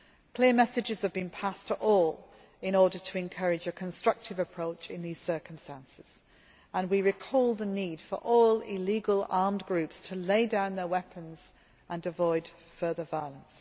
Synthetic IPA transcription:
kʰl̥ɪəmɛsɨd͡ʒɪz̥əvbɨ̃npʰastʰəʔɔlˠ | ɪ̃nɔɹɾə˞tʰəɛ̃nkʰʌɹɪd͡ʒɨkʰə̃nstɹ̥ʌk̚tʰɨvəpʰɹ̥oʊt͡ʃɪ̃nðiz̥sɜˑ˞kə̃m̩stæ̃nsɪz̥ | ə̃nwiɹɪkʰɔlˠðəniːd̥fə̰˞ʔɔlɪ̰liɡəlˠɑɹmɡɹʉpstʰəleɪdãʊ̃nðə˞wɛpʰə̃nz̥ | ʔə̃nɨvɔɪd̥ | fɜ˞ðəvaɪəlˠə̃ns

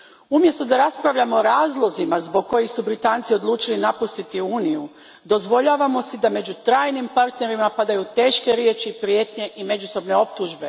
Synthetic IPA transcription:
umje̞st̪od̪aɾaspɾaʋʎamoːɾaːzlˠo̞zimazbo̞ɡ̚ko̞jixsubɾit̪aːnt̪sio̞d̪lˠuːt͡ʃilinapust̪it̪iuːniju | d̪o̞zʋo̞ʎaːʋamo̞sid̪ame̞d͡ʒut̪ɾaːjnimpaɾt̪ne̞ɾimapad̪ajut̪e̞ːʃke̞ɾjeːt͡ʃiːpɾje̞ːt̪ɲe̞ʔime̞d͡ʒuso̞bne̞o̞p̚t̪uʒbe̞

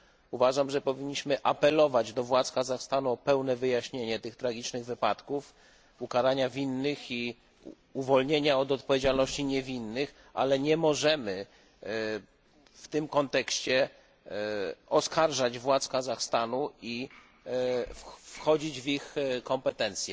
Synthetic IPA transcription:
uvaʐamʐɛpɔvʲiɲːiɕmɘʔapɛlɔvad͡ʑd̪ɔvwat̪skazaxst̪anuɔpɛwnɛvɘjaɕɲeɲɛt̪ɘxt̪ɾaɡʲit͡ʂnɘɣvɘpat̪kuf | ukaɾaɲavʲinːɘxi | uvɔlɲeɲaɔd̪ɔt̪̚pɔvʲjed͡ʑalnɔɕt͡ɕiɲevʲinːɘx | a̰lɛɲɛmɔʐɛmɘ | ft̪ɘmkɔnt̪ɛkɕt͡ɕɛ | ɔskaɾʐad͡ʑvwat̪skazaxst̪anui | fxɔd͡ʑid͡ʑvixkɔmpɛt̪ɛnt̪sʲjɛ

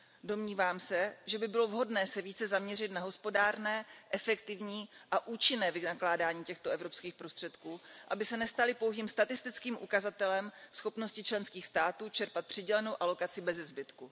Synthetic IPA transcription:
do̞mɲiːvaːmsɛʒɛbɪbɪlo̞vɦo̞dnɛːsɛviːt͡sɛzamɲɛr̝ɪt̪naɦo̞spo̞daːɾnɛːʔɛfɛkt̪ɪvɲiːʔaʔuːt͡ʃɪnɛːvɪnaklaːdaːɲiːcɛxt̪oʔɛvɾo̞pskiːxpɾo̞st̪r̝̥ɛt̪kuːʔabɪsɛnɛst̪alɪpowɦiːmst̪at̪ɪst̪ɪt͡skiːmʔṵkazat̪ɛlɛmsxo̞pnoscɪt͡ʃlɛnskiːxst̪aːt̪uːt͡ʃɛɾpat̪̚pr̥ɪɟɛlɛno̞wʔalo̞kat͡sɪbɛzɛzbɪt̪ku

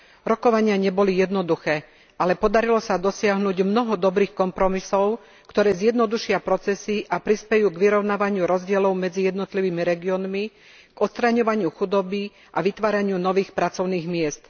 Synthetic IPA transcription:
ɾɔkɔʋaɲɪaɲɛbɔlijɛd̪nɔd̪uxɛː | alɛpɔd̪aɾilɔsad̪ɔsɪaɦnuːɟmnɔɦɔd̪ɔbɾiːxkɔmpɾɔmisɔʊ | kt̪ɔɾɛːzjɛd̪nɔd̪uʃɪapɾɔt͡sɛsiʔapɾispɛjuːɡʋiɾɔʊnaːʋaɲɪuɾɔzɟɪɛlɔʊmɛd͡zijɛd̪nɔt̪liʋiːmiɾɛɡiɔːnmi | ɡ̥ɔt̪st̪ɾaɲɔʋaɲɪuxud̪ɔbi | ʔaʋit̪ʋaːɾaɲɪunɔʋiːxpɾat͡sɔʊniːɣmɪɛst̪

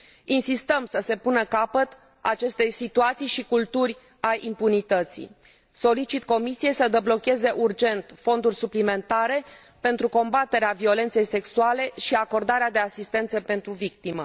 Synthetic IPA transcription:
insist̪əmsəse̞punəkapət̪ | a̰t͡ʃe̞st̪e̞jsit̪uat̪sijʃikult̪urʲ | ajʔimpunit̪ət̪sḭ | so̞lit͡ʃit̪ko̞misije̞jsəd̪eblo̞kʲe̞ze̞ʔurd͡ʒe̞nt̪fo̞nd̪urʲsuplime̞nt̪aɾe̞ | pe̞nt̪ɾuko̞mbat̪e̞ɾeavio̞le̞nt̪se̞jse̞ksuale̞ʃiako̞rd̪aɾead̪e̞asist̪e̞nt̪səpe̞nt̪ɾuvik̚t̪imə

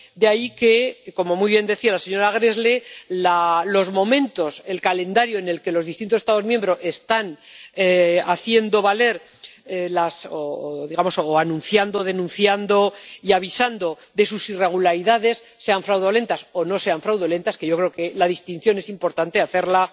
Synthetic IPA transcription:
d̪eaike̞ko̞mo̞mujβje̞nd̪e̞θialase̞ɲo̞ɾaɣ̞ɾe̞zlelalo̞zmõ̞mẽ̞nt̪o̞se̞lkale̞nd̪aɾjoene̞lke̞lo̞zðist̪int̪osest̪aðo̞zmje̞mbɾo̞e̞st̪aneaθje̞nd̪o̞βale̞ɾ | lasoðiɣamo̞soanũnθjand̪o̞ðe̞nũnθjand̪o̞iaβ̞isand̪o̞ | d̪e̞susire̞ɣ̞ulaɾiðaðe̞sːe̞aɱfɾawðole̞nt̪aso̞no̞se̞aɱfɾawðule̞nt̪askeʝokɾe̞oke̞laðist̪in̟θjo̞ne̞simpo̞ɾt̪ant̪e̞aθe̞ɾla

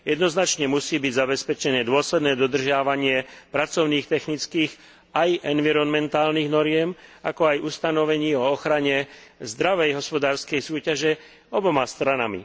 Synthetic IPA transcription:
jɛd̪nɔznat͡ʃɲɛmusiːbiɟzabɛspɛt͡ʃɛnɛːd̪ʊɔslɛd̪nɛːd̪ɔd̪r̩ʒɪaʋaɲɪɛpɾat͡sɔʊniːxt̪ɛxnit͡skiːɣ | ajɛnʋiɾɔnmɛnt̪aːlniːɣnɔɾɪɛmakɔajust̪anɔʋɛɲiːɔɔxɾaɲɛzd̪ɾaʋɛjɦɔspɔd̪aːɾskɛjsuːcaʒɛ | ɔbɔmast̪ɾanamḭ

